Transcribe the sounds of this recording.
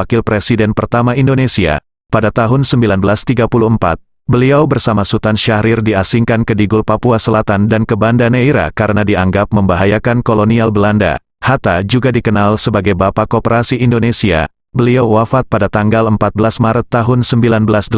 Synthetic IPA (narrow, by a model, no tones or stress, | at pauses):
akɪlpɾesidɛnpərt̪amaindonesia̰ | padat̪aɦʊnsəmbilanbəlast̪iɡapuluəmpa̰t̪̚ | bəliawbərsamasut̪anʃaɾɪrdiasiŋkankədiɡulpapuasəlat̪andankəbandaneiɾa̰kaɾənadiaŋɡap̚məmbaɦajakankolonialbəlanda̰ | hat̪ad͡ʒuɡadikənalsəbaɡajbapakopəɾasiːndonesia̰ | bəliawwafat̪̚padat̪aŋɡaləmpat̪̚bəlasmaɾət̪ːaɦʊnsəmbilanbəlasdə